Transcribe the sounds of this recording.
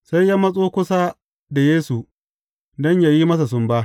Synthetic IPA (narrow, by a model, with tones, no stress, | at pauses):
sa˦jja˦mɐ˦sʼoː˦kʷʊ˦sa˦ | da˨jeː˦su˨ | dɔ˦ɲja˨ji˦mɐ˦s̬a˨sʊ˦mba˦ʔ